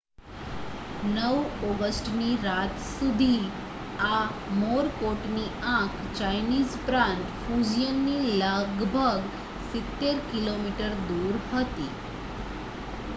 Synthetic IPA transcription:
nəʋɔɡəsʈniɾat̪sud̪ʱi | amoɾkoʈniãkʰt͡ɕajnizpɾãnt̪fud͡ʑijənːiləɡbʱəɡ | sit̪ːeɾkilomiʈəɾd̪uɾhət̪iː

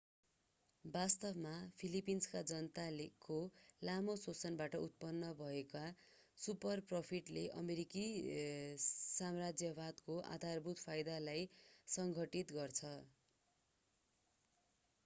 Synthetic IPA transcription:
bast̪ʌbmapʰilipinskad͡zʌnt̪alekolamosot͡sʌnbaʈʌut̪̚pʌnːʌbʱʌeka | supʌrpropʰiʈleʔʌ̰meɾiki | samrad͡zjʌbad̪koʔa̰d̪ʱarbut̪pʰajd̪alajsʌŋɡʱʌʈit̪ɡʌrt͡sʰʌ

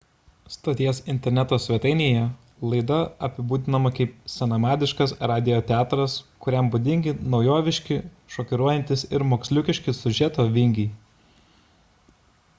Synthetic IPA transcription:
st̪oːt̪ʲiɛsɪnʲt̪ʲɛɾʲnʲɛt̪oːsʲʋʲɛt̪ɐɪnʲeːjɛ | lˠɐɪd̪ɐɐpʲɪbuːd̪ʲɪnɐmɐkɐɪpsʲɛnɐmɑːd̪ʲɪʃkɐsɾaːd̪ʲɪoːt̪ʲɛɑːt̪ɾɐskʊɾʲɛmbʊd̪ʲɪŋʲɡʲɪnɒʊjoːʋʲɪʃʲkʲɪ | ʃoːkʲɪɾuɔjɛnʲt̪ʲɪsɪɾmoːksʲlʲʊkʲɪʃʲkʲɪsʊʒʲɛt̪oːʋʲɪŋʲɡʲiɪ

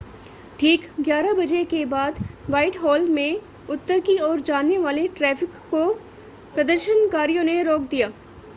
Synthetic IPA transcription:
ʈʰiːkɡjaːɾabɐd͡ʒekebaːd̪ʋaːɪʈɦɔːlmẽ | ʊt̪ːəɾkiɔːɾd͡ʒaːnːeʋaːleʈɾɛːfʰɪkːo | pɾɐd̪əɾʃənkaːɾijõneɾoːk̚d̪ijaː

